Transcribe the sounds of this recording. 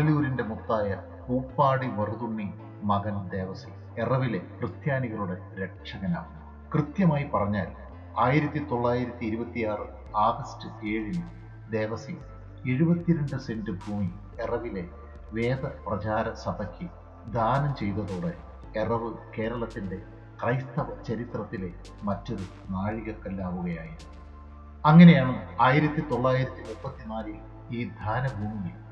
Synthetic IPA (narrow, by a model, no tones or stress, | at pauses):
ɐliuɾinde̞mut̪ːaːjɐ | puːpːaːɽiʋɐruðuɳːi | mɐɣɐnd̪e̞ːʋɐsḭ | erɐʋile̞krɨt̪jaːniɣɐɭuɽe̞ | ɾek̚ʂɐɣɐna̰ːunːu | krɨt̪jɐmaːjipɐrɐɲːaːl | aːjiɾɐt̪ːit̪o̞ɭːaːjiɾɐt̪ːiiɾubɐt̪ːijaːrɨ | aːɡɐstɨteːɻin | d̪e̞ːʋɐsi | eɻubɐt̪ːiɾɐnɖɨse̞ndɨbʱuːmi | erɐʋile̞ | ʋe̞ːd̪ɐprɐt͡ɕaːɾɐsɐbʱɐkʰʲːɨ | d̪ʱaːnɐmt͡ɕe̞jt̪ɐðoːɽe | erɐʋɨke̞ːɾɐɭɐt̪ːinde̞ | krɐjst̪ɐʋɐt͡ɕɐɾit̪rɐt̪ːile̞ | mɐtːo̞ɾu | naːɻiɣɐkːɐlːaːʋuɣɐjaːjiɾ | ɐŋːɐne̞jaːɳuaːjiɾɐt̪ːit̪o̞ɭːaːjiɾɐt̪ːimupːɐt̪ːinaːlɨ | iːd̪ʱaːnɐbʱuːmiji